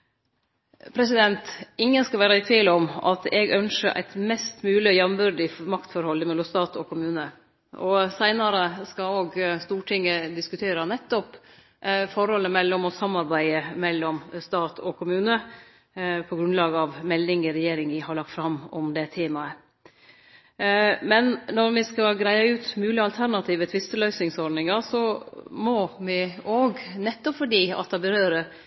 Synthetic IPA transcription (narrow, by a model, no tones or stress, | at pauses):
pʰɾɛs̬ɪd̪ɛnt̪ɪŋːənskɑlʋæːɾɑɪt̪ʰʋiːlɔmɑ̰t̪ɛɡœnʂəʔæ̰ɪt̪mɛst̪mʉːlɪɔjɛmʋʉɾɖɪmɑkt̪fɔɾhɔlːəmɛlːɔmst̪ɑːt̪ʰɔkʰʊmʉːnə | ɔsæɪnɑɾəskɑoːɡst̪uːʈʰɪŋːəd̪ɪskʉt̪ʰeːɾɑnɛt̪ːɔp | fɔɾhɔlːəmɛlːɔmɔsɑmːɑɾbæɪəmɛlːɔmst̪ɑːt̪ʰɔkʰʊmʉːnə | pʰɔɡɾʉnlɑːɡəɑʋmɛlːɪŋɪɾɛjeːɾɪŋʋɪhɑɾɭɑk̚t̪fɾɑmːɔmd̪ɛt̪ʰeːmɑə | mɛnnːɔɾʋɪskɑɡɾæɪɑʉːt̪mʉːlɪɑlt̪ʰæɾnɑt̪ʰiːʋət̪ʰʋɪst̪əlœʏsɪŋsɔɖɳnɪŋɑɾsɔmɔmɪoːɡnɛt̪ːɔpfɔɖiːɑ̰t̪̚d̪ɑbəɾøːɾəɾ